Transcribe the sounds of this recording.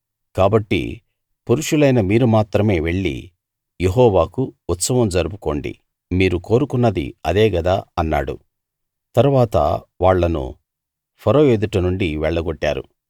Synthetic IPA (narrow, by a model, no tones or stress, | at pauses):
kaːbɐʈːḭ | puɾuʂulɐjnɐmiːɾumaːt̪ɾɐme̞ːʋe̞ɭːḭ | jeɦɔːʋaːkuut̪sɐʋɐmd͡ʒɐɾubuko̞ːɳɖḭ | miːɾuko̞ːɾukunːɐd̪ḭɐd̪eːɡɐd̪aːɐnːa̰ːɽṵ | t̪ɐɾuʋaːt̪ɐ̰ʋaːɭːɐnṵ | pʰɐɾoːjeːd̪uʈɐnuɳɖiʋɛɭːɐɡɔʈːa̰ːɾṵ